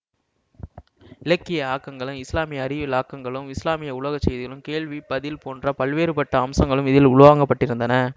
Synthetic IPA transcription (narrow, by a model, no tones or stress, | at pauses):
ɪlɐkːɪjɐaːkːɐŋɡɐɭɯ̃ɪslaːmɪjɐɐɾɪʋɪlaːkːɐŋɡɐɭɯmɪslaːmɪjɐʊɭɐɣɐt͡ʃːɛjðɪɣɐɭɯmkeːɭʋipɐðɪlpoːndrɐpɐɭʋeːɾɯpɐʈːɐɐmsɐŋɡɐɭɯmɪðɪlʊɻʊʋaːŋɡɐpːɐʈːɪɾɯnd̪ɐnɐ